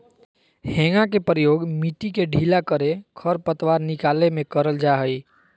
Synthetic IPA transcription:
hẽːŋɡãkepɾəjoːɡmiʈikeɖʱiːlakəɾekʰəɾpət̪waːɾnɪkaːlemẽkəɾəld͡ʒaːɦəiː

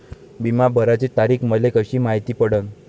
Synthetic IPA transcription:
bimabʱəɾat͡set̪aɾiːkməlekəɕiːmaɦit̪iːpəɽən

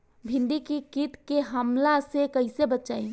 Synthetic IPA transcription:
bʱĩnd̪ikikit̪keɦəmlasekəɪsebətt͡ʃaĩ

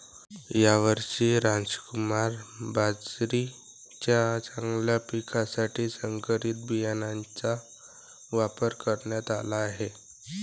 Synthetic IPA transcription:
jaʋəɾʂiːɾãnd͡zkumaɾbad͡zɾi | t͡ɕjat͡sãŋɡljapikʰasaʈiːsəŋkəɾit̪̚bijanant͡sa | ʋapəɾkəɾɳjat̪a̰laːɦe

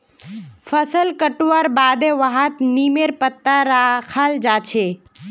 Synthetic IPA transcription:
fʰəsəlkəʈuʋaɾbaːd̪ẽʋaɦət̪niːmeɾpət̪ːaɾakʰald͡ʒaːt͡ʃʰe

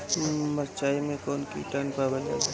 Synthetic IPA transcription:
məɾt͡ʃaːimẽkɔːnkḭʈaːnpabəla̰ː

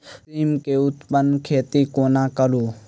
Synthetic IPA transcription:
iːmkeːʊt̪pənkʰeːt̪ikoːnãːkəɾuː

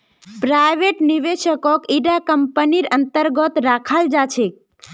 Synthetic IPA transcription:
pɾajʋeʈniʋeʃəkɔkiɖakəmpəniɾənt̪əɾɡɔt̪ɾakʰald͡ʒat͡ʃʰek̚

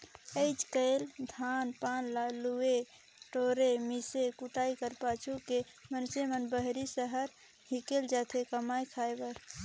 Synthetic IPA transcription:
əɪt͡ʃkəɪld̪ʱanpanlalue | ʈoɾemisekuʈaikəɾpat͡ʃʰuke | mənsemənbəɦɾisəɦəɾ | hikeld͡ʒat̪ʰekəmajkʰajbəɾ

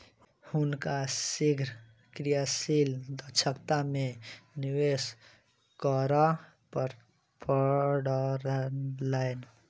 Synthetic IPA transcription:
hunkasiɡʱɾ | kɾijasild̪ət͡ʃʰəkt̪ameniwes | kəɾa | pəɾ | pəɽəɾnlajn

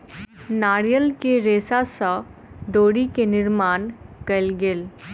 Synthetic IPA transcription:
naːɽjəlkeɾeːsasa | ɖoːɽikenɪɾmaːnkɐlɡel

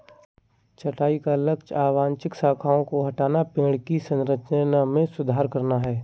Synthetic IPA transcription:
t͡ʃɐʈaːikalɐkt͡ʃaːʋãːnt͡ʃɪksaːkʰaːõkoɦɐʈaːnapẽːɽkisɐ̃nɾət͡ʃnamẽsʊd̪ʱaːɾkɐɾnaɦɛː

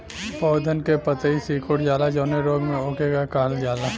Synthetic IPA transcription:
pɔːd̪ʱənkepət̪əisiːkoːʈd͡ʒaːlad͡ʒɔːneɾoːɡmẽoːkeɡakaːɦəld͡ʒaːla

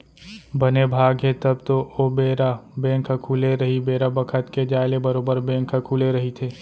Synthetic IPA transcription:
bɐnebʱaːɡɦet̪ɐbt̪oobeːɾabɛ̃ːkʰakʰuːleɾɐɦibeːɾabɐkʰət̪ked͡ʒaːɪlebɐɾoːbəɾbɛ̃ːŋkʰakʰuːleɾɐɦit̪ʰeː

